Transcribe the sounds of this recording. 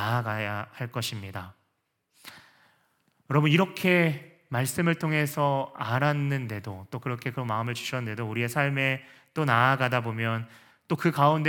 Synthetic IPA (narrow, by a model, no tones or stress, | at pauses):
aaɡajahaɭk͈ʌɕʰimɲida | jʌɾʌbuniɾʌkʰe̞ | maɭs͈ɯmɯɭtʰoŋe̞sʰʌaɾanːɯnde̞dot͈okɯɾʌkʰe̞kɯɾʌmaɯmɯɭt͡ɕuɕʰʌnɯnde̞douɾie̞sʰaɭme̞t͈onaːɡadabomjʌn | t͈okɯkaund